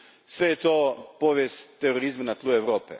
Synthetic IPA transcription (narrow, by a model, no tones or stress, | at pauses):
sʋejet̪opoːʋjest̪eɾoɾizmanat̪lˠueʋɾoːpḛ